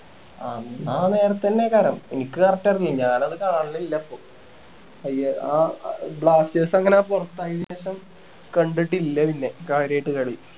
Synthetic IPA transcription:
aaːne̞ːɾɐt̪ːɐnːekɐɾɐmenikʲːɨkɐrɐtːɐrilɲaːnɐðɨkaːɳilːɐilːɐpːoː | ɐjɐaːbɭaːst͡ɕeːsɐŋːɐneaːmpurɐt̪ːaːjiðimeːɕɐm | kɐɳɖiʈːilːɐpinːe̞kaːɾɐjiʈːɨkɐɽiju

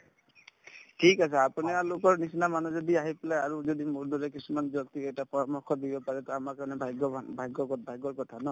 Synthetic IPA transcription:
tʰikasʰɛapunialʊkɔɹnisinamanuzɔdiaɦipɛlajaɹuzodimuɹdɔɹɛk̬isumanzɔktiɛjtapɔɹamɔkʰːɔdibɔpaɹɛtɔamaɹkaɹnɛbʱajɡɔbʱajɡɔkɔbʱajɡɔɹkɔtʰanɔ

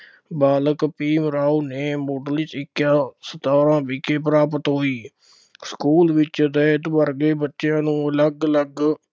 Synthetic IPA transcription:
baːləkpiːmɾaːuːneːmoːʈəlit͡ʃɪkːjaːsət̪aːɾãːpiːkeːp̬ɾaːp̬ət̪ɦoːiː | skuːlʋɪt͡ʃd̪ɛːt̪bəɾɡeːbətːʃjãːnũːələɡələɡ

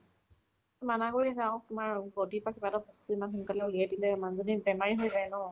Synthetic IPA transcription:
manaɡuɹizaʊ̃tʊmaɹɡodipakibadɔpɔktuimankʰɔnkalɛuliɛdilɛimanzɔnibɛmaɹiɦojzajnɔ

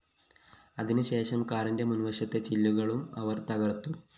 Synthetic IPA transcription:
ɐðinɨɕe̞ːʂɐmkaːɾindemunʋɐɕɐt̪ːe̞t͡ɕilːuɣɐɭumɐʋɐrt̪ɐɣɐrt̪ːu

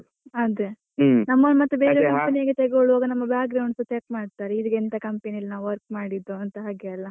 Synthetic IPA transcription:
ɐd̪e | nɐmːɐnmɐt̪ːubeːɾekɐmpɐnijɐɡet̪eɡoɭoːɡɐnɐmːɐbjaːk̚ɡɾɐwɳɖsɐt͡ʃek̚maːɽt̪aːɾeid̪ɐkent̪ɐkɐmpɐniɐlːnaʋʋɐɾk̚maːɽid̪ːuɐnt̪ɐɦaːɡeɐlːɐ

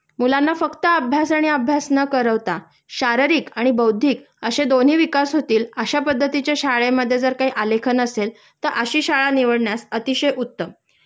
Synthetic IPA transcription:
mulanːafəkt̪əəbʱjasaɽ̃iəbʱjasnəkəɾəʋt̪a | ɕaɾəɾiːkaɽ̃ibəwd̪ʱiːk | əɕed̪on̤ɦiːʋikasɦot̪iːləɕapəd̪ːət̪it͡ɕjaɕaɭeməd̪ʱːjed͡zəɾkaɦiʔalekʰənəsel | t̪əɾʔəɕiːɕaɭaniʋəɽɳjasət̪iɕəjʔut̪ːə

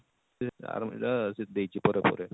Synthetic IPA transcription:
a̰ɾmḛʈasid̪ejt͡ɕʰipɔɾepɔ̰ɾe

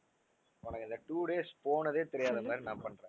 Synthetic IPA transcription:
ʊnɐkːɯɪnd̪ɐʈuːɽeːspoːnɐðeːt̪ɛɾɪjaːðɐmaːd̪ɾinaːmpɐɳrẽː

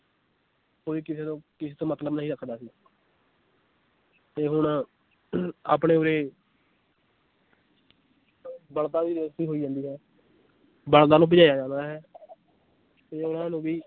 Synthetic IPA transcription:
koːiːkɪseːt̪õːkɪseːt̪õːmət̪ləbnəĩːɾəkʰd̪aːsiː | t̪eːɦʊɳ | a̰ːpɳeːoːɾeː | bəɽt̪aːʋiːɾəst̪iːɦoːiːd͡ʒãːnd̪iːɦɛː | bəld̪aːnũːp̬ɪd͡ʒaːjaːd͡ʒãːnd̪aːɦɛː | t̪eːʊnãːnũːbiː

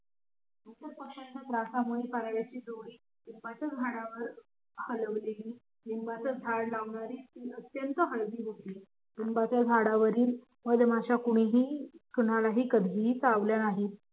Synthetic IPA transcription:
d̪ut̪əɾpəkɕant͡ɕat̪ɾasamuɭepaɾaʋjat͡ɕiːd̪oɽiː | nimpat͡səd͡zʱaɽaʋəɾ | hələʋleliː | nimbat͡səd͡zʱaɽlaʋɳaɾiːt̪iːət̪jənt̪əɦəɭɡiːɦot̪iː | nimbat͡sjad͡zʱaɽaʋəɾiːl | məd̪ʱmaɕakuɽ̃iɦiːt̪uɽalaɦiːkəd̪ʱiɦiːt͡saʋljanaɦiːt̪

